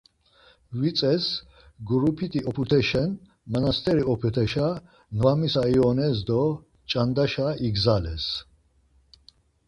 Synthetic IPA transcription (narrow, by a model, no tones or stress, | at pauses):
vit͡s̪ʼɛs | ɡɾupʰit̪ʰʼiɔpʰut̪ʰɛʃɛn | manast̪ʰɛɾiɔpʰut̪ʰɛʃa | nvamisaiɔnɛsd̪ɔ | t͡ʃʼand̪aʃaiɡzalɛs